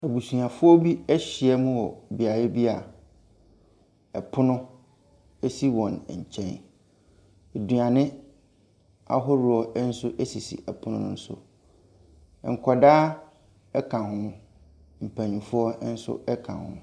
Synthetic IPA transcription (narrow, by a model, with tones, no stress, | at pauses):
ɛ˨bu˨sũ˨ã˨fʊ˦ɔ˦bi˦ɛ˦ɕi˨ɛ˦mʊ̃˦wɔ˨bi˨a˨jɪ˦bi˦a˨ | ɛ˨pʰʊ˦nʊ̃˦ | e˦si˦wɔ̃˨n˨ɲ̩˨t͡ɕʰɛ̰̃˦n | e˨dũ˨ã˨nɪ̃˦ | a̰˦ɦʊ˦ɾʊ˦ɔ˦n̩˦sʊ˦ʔe˦si˨sḭ˨ɛ˨pʰʊ˦nʊ̰̃˦nʊ̰̃˦n̩˦sʊ̰˦˨ | ŋ̩˨kʰɔ˨daː˦ | ɛ˦kʰã˨ɦʊ̃˦mʊ̃˨ | m̩˨pʰæ˨ɲũ˨fʊ˦ɔ˦n̩˦sʊ̰˦ɛ˦kʰã̰˨hʊ̰̃˦˨m˨